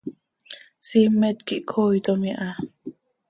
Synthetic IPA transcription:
simːɛt̪̚kiʔkʰojt̪omiʔa

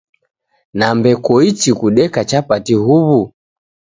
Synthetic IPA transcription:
nambɛkɔit͡ʃikuɗɛkat͡ʃapatihuβu

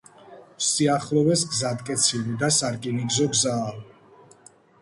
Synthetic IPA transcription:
wsiaχlɔvɛsɡzad̪kʼɛt̪sʰilid̪asaɾkʼiniɡzɔɡzaːli

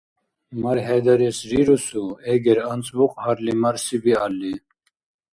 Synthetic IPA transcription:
mɐɾɦed̪ɐɾesɾiɾusueɡeɾɐnt͡sbuqaɾlimɐɾsibialːi

